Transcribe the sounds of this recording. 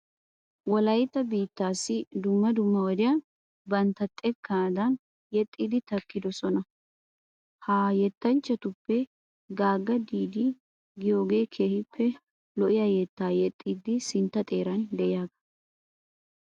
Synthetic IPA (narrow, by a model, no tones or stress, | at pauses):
wɔlɐjt̪ːɐbiːt̪ːaːsːɪd̪ʊmːɐd̪ʊmːɐwɔd̪ɪjɐn | bɐnt̪ːɐt̪ʼːɛkːɐnd̪ɐn | jɛt̪ʼːiːd̪ɪt̪ɐkːɪd̪ɔsɔnɐ | haːjɛt̪ːɐnt͡ʃːɐt̪ʊpːɛ | ɡaːɡːɐd̪iːd̪ɪ | ɡɪjo̞ːɡe̞ːkʰe̞ːhɪpʰːɛ | lɔʔɪjɐjet̪ːaːjɛt̪ʼːiːd̪ɪsɪnt̪ːɐt̪ʼe̞ːɾɐnd̪ɛʔɪjaːɡɐ̥